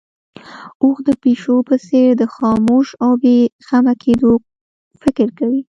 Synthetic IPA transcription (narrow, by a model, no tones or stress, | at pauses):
oxd̪əpeʃopəseɾd̪əxɑmoʃawbexamakʰed̪o | fɪkɾkawi